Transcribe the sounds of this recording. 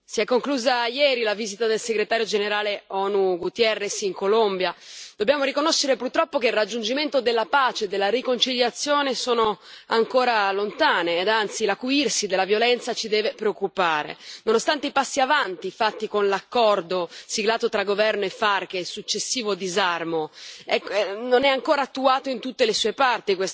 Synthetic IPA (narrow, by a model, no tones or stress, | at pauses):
siɛkːoŋkluːzajɛːɾilaviːzit̪ad̪elseɡɾet̪aːɾjod͡ʒeneɾaːleɔːnuɡut̪iɛrːesiŋkolombjad̪̥objaːmoɾikonoʃːeɾepurt̪ɾɔpːokeilrad͡ʒːund͡ʒiment̪od̪elːapaːt͡ʃeːd̪ːelːaɾikont͡ʃiʎjat̪sːjoːnesoːnoaŋkoːɾalont̪aːneːd̪ant̪silakuirsid̪elːavjolɛnt̪sat͡ʃid̪ɛːvepɾeokːupaːɾḛnonost̪ant̪eipasːiavant̪ifat̪ːikonlakːɔrd̪osiɡlaːt̪ot̪ɾaɡovɛrnoefːark̟esut͡ʃːesːiːvod̪izarmoɛkːnonɛaŋkoːɾaːt̪ːuaːt̪oint̪ut̪ːelesuːepart̪ikwes